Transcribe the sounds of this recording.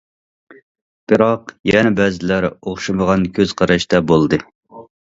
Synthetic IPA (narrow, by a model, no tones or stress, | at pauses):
b̥ɨɾɑqjɛnɛbɛzɪlæɾoχʃɨməʁɑnkʲʰøz̥qʰɑɾɑʃt̪ɑbolˠd̪ɨ